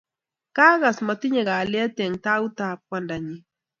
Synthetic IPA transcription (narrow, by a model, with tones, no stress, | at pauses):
ka˦ɣa˨sma˨t̪ɪ˦ɲe˨ɣa˨lɪ˦a˦t̪ɛ˨ŋt̪a˦u˦t̪a˨p̚wa˦nda˨ɲi˨